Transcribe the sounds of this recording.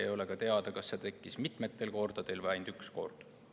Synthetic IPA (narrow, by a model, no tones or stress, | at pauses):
ḛjo̞le̞kɑt̪e̞ɑd̪̥ɑkɑsːet̪e̞kːˑismit̪ˑme̞t̪ːˑe̞lko̞rd̪̥ɑd̪̥e̞lvæjnd̪yksko̞̰rd̪̥